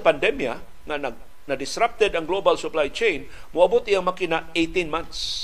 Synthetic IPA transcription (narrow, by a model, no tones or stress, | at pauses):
pand̪ɛmja | ŋanaɡ̚ | nad̪ɪsɾap̚t̪ɛd̪ɐŋɡlobalsʊplajt͡ʃejn | mʊabʊt̪ɪjaŋmakɪnaejt̪inmant̪s